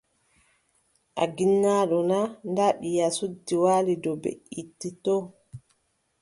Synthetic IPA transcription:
ʔa̰ɡinːaːɗɔnandaɓijasudːiwaːlidɔbḛʔitːitɔː

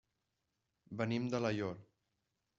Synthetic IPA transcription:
bənimd̪ələjol

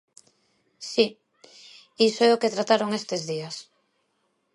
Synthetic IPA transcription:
si | isoɛoket̪ɾat̪aɾoŋest̪ezðias

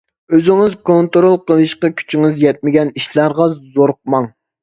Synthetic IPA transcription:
øzɪŋɪzkʰont̪ɾolˠqʰəlˠɨʃqɑkʲʰy̥t͡ʃʰiŋɪzjɛt̪̚mɪɡʲɛniʃlˠɑɾʁɑzoɾq̚mɑŋ

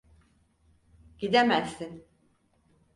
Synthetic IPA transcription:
ɟ̥id̪emæsːin

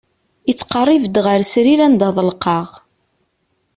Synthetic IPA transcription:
it͡sːqɑrˤːivd̪ʁəɾsɾiɾænd̪ɑðˤəlqɑʁ

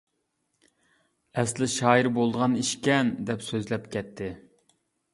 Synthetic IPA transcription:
ɛslɪʃɑːjiɾbolˠd̪əʁɑniʃkʲɛnd̪ɛpsøzlɛpkʲɛt̪ʰːɪ

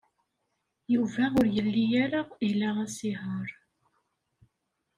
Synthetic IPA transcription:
juvæʊɾjəlːijæɾailææsiɦəɾˤ

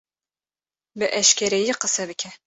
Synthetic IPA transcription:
bɨʔɛʃkʲʰɛɾɛjiqəsɛbɨkʲʰɛ

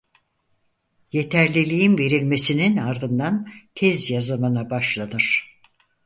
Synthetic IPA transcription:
je̞t̪ʰæɾlʲilʲijimve̞ɾilʲme̞sininaɾd̪ɯnd̪ancʲʰɛzjazamɯnabaʃlˠanɯɾ̥

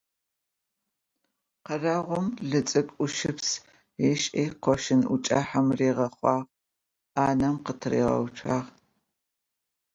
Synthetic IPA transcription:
qɐrɐʁʷʊmɮɨt͡sʼɨkʷʼʊʃɪps | eʃʼeːqʷɔʃɪnʔʊ̰t͡ʃʼaħamreːʁɐχʷɑːʁ | aːnɐmqətʰɨrḛːʁɐ̰wʈ͡ʂʷʰaːʁ

